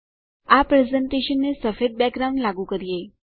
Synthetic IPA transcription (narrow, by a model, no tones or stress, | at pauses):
apɾezəɳʈeʃənːesəfed̪̚bɛkɾawnlaɡũkəɾije